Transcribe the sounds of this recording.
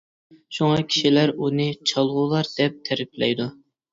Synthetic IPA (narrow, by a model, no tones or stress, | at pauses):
ʃuŋɑkʲʰi̥ʃilæɾunɨt͡ʃʰɑlˠʁʊlˠɑɾd̪̥ɛp̚t̪ʰæɾɪpʰlɛ̰jd̪u